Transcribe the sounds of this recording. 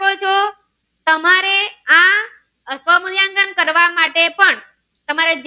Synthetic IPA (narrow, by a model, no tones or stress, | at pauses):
ot͡ʃʰo | t̪əmaɾea | sʋəmud̪jãŋɡəɳkəɾʋamaʈepəɳ | t̪əmaɾed͡ʒ